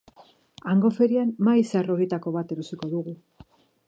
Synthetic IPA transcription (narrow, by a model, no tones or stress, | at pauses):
aŋɡo̞fe̞ɾianmaisaro̞ɣit̪ako̞β̞at̪eɾusiko̞ðuɣu